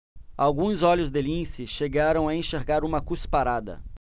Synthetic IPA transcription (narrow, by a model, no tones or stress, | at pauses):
awɡũzɔlʊzd̪ɪlĩsɪʃeɡaɾɐ̃w̃aẽʃeɾɡaɾũmɐkuspaɾad̪ɐ̰